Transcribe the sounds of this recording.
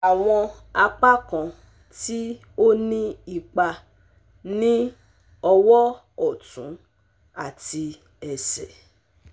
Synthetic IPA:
a˨w̃ɔ̃˧a˧k͡pa˦kã˨ | ti˦ | o˦nĩ˦i˦˨k͡pa˧ | nĩ˦ | ɔ˧wɔ˦ | ɔ˨tṵ̃˨˦ | a˦˨ti˧ | ɛ˨sɛ̰˨

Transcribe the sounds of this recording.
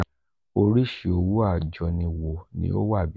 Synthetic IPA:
o˧ɾi˦ʃi˨o˧wu˦a˦˨d͡ʒɔ˨˧nĩ˧wo˨nḭ̃˦o˦wa˦˨bi˨˦

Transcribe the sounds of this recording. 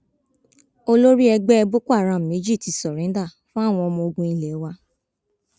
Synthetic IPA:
o˧lo˦ɾi˦ɛ˧ɡ͡bɛ˦ɛ˧bo˦ku˦a˦˨ɾ̃ã˨me˨˦d͡ʒi˦˨ti˨sɔ˨ɾẽ˨˦da˦˨ | fũ˦a˦˨w̃ɔ̃˧ɔ˧mɔ̃˧o˧ɡũ˧i˧le˨˦wa˧˦

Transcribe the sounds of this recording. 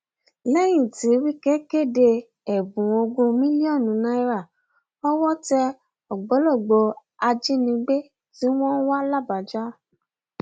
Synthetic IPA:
lɛ˦j̃ĩ˦˨ti˨˦wi˦ke˦ke˦˨de˧ | ɛ˨bũ˨o˧ɡũ˧mĩ˦li˦ɔ˦˨nũ˨˦nã˧i˦ɾa˦˨ | ɔ˦wɔ˦tɛ˧ | ɔ˨ɡ͡bo˨˦lo˦˨ɡ͡bo˧ | a˧d͡ʒi˦nĩ˧ɡ͡be˦ | ti˦w̃ɔ̃˦n̩˦wa˦la˦˨ba˨d͡ʒa˦

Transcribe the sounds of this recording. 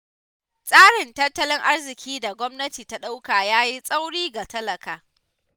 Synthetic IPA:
sʼaː˦ɽɪ˨ntɐ˦tːɐ˦lɪ˦ŋʔa˦rzɪ˨kʲʰiː˦da˨ɡʷɔ˦mnɐ˦tiː˨ta˦ɗa˦wkaː˨jaː˦ji˦sʼa˦wɽiː˦ɡa˨tɐ˦lɐ˨kaː˨

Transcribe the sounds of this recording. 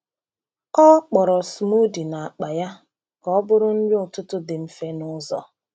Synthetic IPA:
ɔ˦k͡pɔ˨ɾɔ˨smu˦di˨na˨a˨k͡pa˨ja˦ | kɔ˦bʊ˦ɾʊ˦n̩˦d͡ʒɪ˦ʊ˨tʊ˦tʊ˦dɪ˨m̩˦fe˦nʊ˦zɔ̰˨

